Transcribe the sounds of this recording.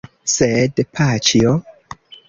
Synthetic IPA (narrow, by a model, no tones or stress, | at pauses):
sedpʰat͡ʃio